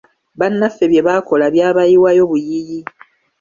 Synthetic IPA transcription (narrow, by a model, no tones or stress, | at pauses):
βanːafe̞βje̞βako̞laβjaːβajiwajo̞βujiji